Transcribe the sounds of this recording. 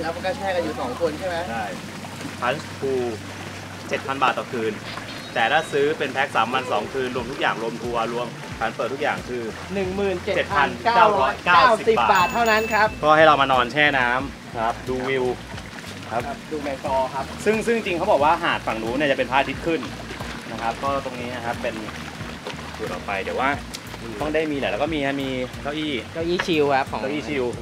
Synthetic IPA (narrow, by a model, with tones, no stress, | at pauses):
lɛ˦˥kʰka˥˩t͡ɕʰɛː˥˩a˧juː˨˩sɔː˩˦ŋkʰo˧nt͡ɕʰa˥˩jmɛ˦˥t͡ɕʰa˥˩j | pʰa˨˦˥nsp̪ʰuː˧ | t͡ɕe˨˩t̪̚pʰa˧nbaː˨˩t̪ːɔː˨˩kʰɯː˧n | t̪ɛː˨˩t̪ʰaː˥˩sɯː˦˥pe˧npʰɛ˦˥k̚saː˩˦mːa˧nsɔː˩˦ŋkʰɯː˧nɾu˧əmt̪ʰu˦˥k̚jaː˨˩ŋɾu˧əmt̪ʰu˧ɐ˧ɾu˧əm | kʰaː˩˦npəɤː˨˩t̪ʰːu˦˥k̚jaː˨˩ŋkʰɯː˧ | nɯ˨˩ŋmɯː˨˩nt͡ɕe˨˩t͡ɕe˨˩t̪̚ʰa˧nkaː˥kːwɾɔɔː˦˥jkaː˧˥˩wwsi˨si˨baː˨baː˨˩t̪ʰːa˥˩na˦˥nkʰa˦˥p̚kʰɔː˥˩ha˥˩jɾa˧wmaː˧nɔː˧nt͡ɕʰɛː˥˩naː˦˥m | kʰa˦˥p̚duː˧wi˧w | kʰa˦˥p̚duː˧mɛ˧tɔː˧kʰa˦˥p̚sɯ˥˩ŋsɯ˥˩ŋ˧t͡ɕi˧ŋkʰa˦˥wbɔː˨˩k̚waː˥˩ɦaː˨˩t̪̚fa˨˩ŋduː˦˥ni˥˩t͡ɕa˨˩pe˧npʰaː˥˩t̪ʰi˦˥t̪̚kʰɯ˥˩n | na˦˥kʰa˦˥p̚kɔː˥˩t̪o˧ŋniː˦˥na˧kʰa˦˥pːe˧n˨˩ | su˨˩t̪̚ʔɔ̰˨˩pa˧jd̪i˩˦waː˥˩ | t̪ɔ˥˩ŋdaː˥˩jmiː˧lɛː˨˩˦lɛː˦˥kɔː˥˩miː˧a˦˥˩miː˧kʰa˦˥˩ʔiː˥˩ka˦˥˩wʔiː˥˩t͡ɕʰi˧wkʰa˦˥p̚kʰɔː˩˦a˥wʔiː˥˩t͡ɕʰi˧w